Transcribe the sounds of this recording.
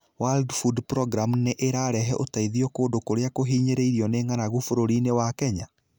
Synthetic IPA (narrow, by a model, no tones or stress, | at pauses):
waldfudpɾɔɡɾamneʔeɾaɾɛɦɛʔotaiðiɔkoːndokoɾeakoɦiːɲeɾeiɾiɔneŋanaɣufoɾoɾinewakɛɲa